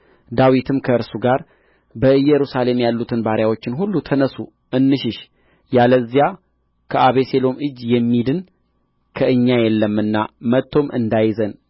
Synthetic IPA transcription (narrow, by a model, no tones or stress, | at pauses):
d̪awit̪ʰɨmkʰəɨɾsuɡaɾ | bəɨjːɛɾusale̞mjalːut̪ʰɨnbaɾjawo̞t͡ʃːɪnɦulːut̪ʰənəsu | ʔɨnːɨʃɪʃ | jaləzija | kʰəʔaβe̞se̞lo̞mɨd͡ʒːjɛmːid̪ɨn | kʰəɨɲːajɛlːəmːɨnːamət̪ʰːo̞mʔɨ̰nd̪ajzən